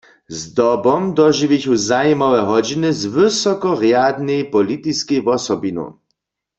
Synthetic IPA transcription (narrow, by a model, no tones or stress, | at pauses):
zd̪ɔbɔmd̪ɔʒiʋiçuzajmɔwɛɦɔd͡ʒinɪzvɪsɔkɔʁjad̪nejpɔlit̪iskejvɔsɔbino̰